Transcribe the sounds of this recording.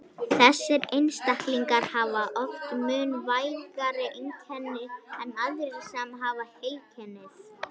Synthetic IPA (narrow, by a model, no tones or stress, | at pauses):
θɛsːɪɾejnst̪ahkliŋkaɾ̥haːvaʔɔft̪mʏnvaːjlɣaɾʏʔint̪ʰɛnːʏɛnaðɪɾisamɦaːvahœːɥcʰɛnːɪθ